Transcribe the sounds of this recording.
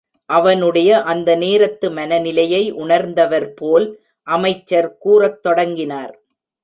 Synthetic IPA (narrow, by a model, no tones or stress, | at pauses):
ʔɐʋɐnɯɽɐjɐʔɐnd̪ɐneːɾɐt̪ːɯmɐnɐnɪlɐjɐɪʔʊɳɐɾnd̪ɐʋɐɾpoːl | ʔɐmɐɪt͡ʃːɐɾkuːrɐt̪ːɔɽɐŋɡɪnaːɾ